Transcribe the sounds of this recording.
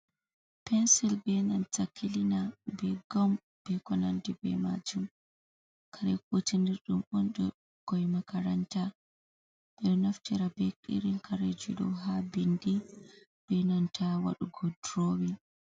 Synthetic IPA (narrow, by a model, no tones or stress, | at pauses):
pɛnsilbɛnantakːilinabɛɡam | b̥ɛkɔnandibɛ̰ma̰d͡ʒum | kʰaɾɛk̚utindiɾɗumɔnɗɔ | ɡ̥ɔjmakaɾanta | ɓɛɗɔnaftiɾabɛkʼḭɾinkʰaɾɛd͡ʒṵɗɔ̰ɦabindi | b̥ɛnantʰawa̰ɗuɡɔdɾowin